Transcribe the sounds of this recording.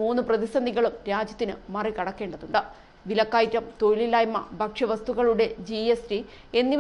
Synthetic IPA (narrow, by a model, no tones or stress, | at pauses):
uːnːɨprɐðisɐnd̪iɣɐɭumɾaːd͡ʑjɐt̪ːinɨmɐrikɐɽɐkːe̞ːɳɖɐðuɳɖɨ | ʋilɐkːaːjtːɐmt̪o̞jililaːjmːɐ̰bʱɐkʂɐʋɐst̪uɣɐɭuɽe̞d͡ʑiesdi | e̞nːi